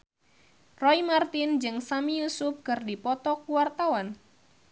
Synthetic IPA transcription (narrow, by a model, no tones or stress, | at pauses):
rɔimart̪ind͡ʒɨŋsamijusʊp̚kɨrdipɔt̪ɔkuwart̪awan